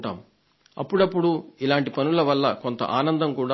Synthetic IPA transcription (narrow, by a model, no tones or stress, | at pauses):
ʈaːmu | ɐpːuɽɐpːuɽuilaːɳʈipɐnulɐʋɐlːɐko̞nt̪ɐ̰ʔaːnɐnd̪ɐmkuːɽaː